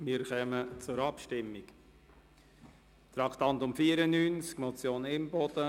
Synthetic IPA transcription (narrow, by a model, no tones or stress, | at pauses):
mɪɾχœmət͡sʊɾɑpʃtɪmːɪk | t̪ɾɑkt̪ɑnt̪ʊmfiːəɾənyːnt͡skmɔt͡sjoːnɪmbɔd̪̥ə